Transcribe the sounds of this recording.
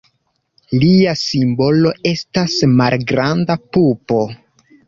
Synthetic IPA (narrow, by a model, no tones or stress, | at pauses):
liasimbo̞lo̞e̞stasmalɡɾandapupo̞